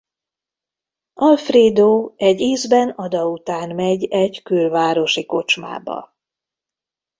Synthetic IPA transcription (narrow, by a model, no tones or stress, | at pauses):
ɒlfreːd̪oːɛɟːiːzbɛnɒd̪ɒut̪aːnmɛɟɛɟkylvaːɾo̞ʃiko̞t͡ʃma̰ːbɒ̰